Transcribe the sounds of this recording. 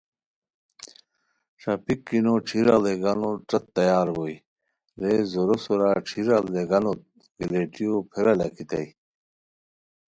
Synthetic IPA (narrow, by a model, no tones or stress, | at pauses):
ʂapikːinoʈ͡ʂʰiɾaleɡɐnoʈ͡ʂɐt̪ːɐjaːɾboj | ɾezoɾosoɾaʈ͡ʂʰiɾaleɡɐnot̪̚ | ɡ̥ileʈijopʰeɾɐlɐkit̪ɐ̰j